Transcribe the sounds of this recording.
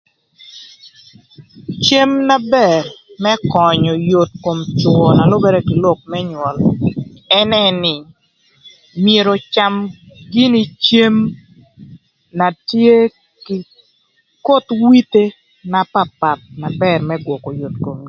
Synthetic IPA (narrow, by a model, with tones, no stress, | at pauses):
t͡ʃe˦mna˦bɛ˨rmɛ˦kɔ˨ɲɔ˨jo˨t̚ko˨mt͡ʃʊ˨ɔ˨na˨lʊ˦bɛ˦ɾɛ˦kɪ˨lɔ˦˨k̚mɛ˦ɲwɔ˨l | ɛ˦nɛ˦nɪ˨ | mje˨ɾo˨t͡ʃa˦mɡɪ˦ni˦t͡ʃe˦m | na˨tje˦ | kɪ˨ | ko˦twi˦te˦ | na˨pa˦pa˨t̚na˨bɛ˨rmɛ˦ɡwɔ˨kɔ˨jo˨tko˨mi˦